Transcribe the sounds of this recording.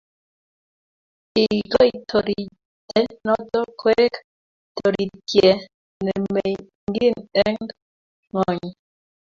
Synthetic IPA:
i˨ɡɔ˦˨tʰɔ˨ɾi˨ | tɛ˦nɔ˦tɔ˦kʰwɛ˦k | tɔ˨ɾi˨tjɛ˨ | nɛ˨me˨j | ŋ˦ɡi˦˨nɛ˦ŋ | ŋɔ˨ɲ˨

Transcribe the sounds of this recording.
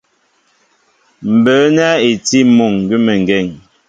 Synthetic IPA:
m̩˨bəː˨˦nɛ˦e˨ti˦mo˨ŋ˨ɡʉ˦mɛ˨ŋ˨ɡɛ˦˨ŋ

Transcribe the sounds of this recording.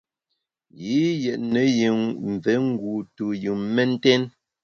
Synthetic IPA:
ji˨˦jɛ˨ʔne˨˦ji˨ŋm˨vɛ˨˦ŋ̩˦ɡu˨tu˨jɯ˨mmɛ˦n̩˦tɛ˦n

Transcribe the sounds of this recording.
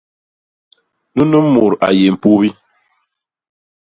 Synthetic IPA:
nu˦nə˦mu˨ɾa̰˨je˨m̩˨pu˦bi˦

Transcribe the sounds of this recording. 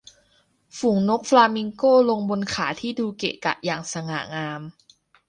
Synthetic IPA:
fu˨˩˦ŋno˦˥k̚flaː˧mi˧ŋkoː˥˩lo˧ŋbo˧nkʰaː˩˦t̪ʰiː˥˩duː˧kḛ˨˩ka̰˨˩ʔ̚jaː˨˩ŋsa˧ŋa̰ː˨˩˦ŋaː˧m

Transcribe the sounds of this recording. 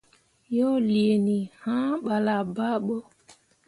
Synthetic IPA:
jo˦li˨e˨ni˨hã˦ɓa˨la˨ba˦ɓo˦

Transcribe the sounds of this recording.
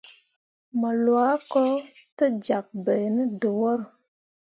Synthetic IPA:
mə˨lwa˨˦kɔ˦ | tə˦d͡ʒa˨k̚bə˨nə˦də˨wə˦ɾ

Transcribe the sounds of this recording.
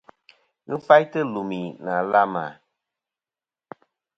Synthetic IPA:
ŋ̩˦fa˦jtɨ˦lo˨mi˨na˨la˦ma̰˨

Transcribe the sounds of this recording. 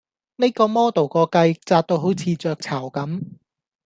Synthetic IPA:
ne˥kɔː˧mɔː˥t̪o˨˩wkɔː˧kɐ˧jt͡saː˧t̚t̪o˧wɦo˨˥wt͡sʰiː˨˧t͡sœː˧k̚t͡sʰɐ˨˩wkɐ˨˥m

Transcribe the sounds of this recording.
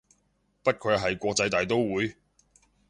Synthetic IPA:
pɐ˥t̚kʰɵ˨˧ɥɦɐ˨jkʷɔː˧k̚t͡sɐ˧jt̪aː˨˩jt̪o˥wwuː˨˧j

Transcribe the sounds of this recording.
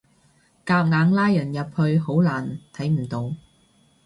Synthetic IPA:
kaː˧p̚ŋaː˨˧ŋlaː˥jːɐ˨˩njɐ˨p̚hɵ˧ɥho˨˥wlaː˨˩nt̪ʰɐ˨˥jm̩˨˩t̪o˨˧w

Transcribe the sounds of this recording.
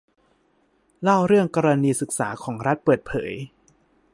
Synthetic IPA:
la˥˩wɾɯ˥˩əŋkaː˧ɾa˧niː˧sɯ˨˩k̚sa̰ː˩˦kʰɔː˩˦ŋɾa˦˥t̪̚pɤː˨˩t̪̚pʰɤ̰ː˩˦j

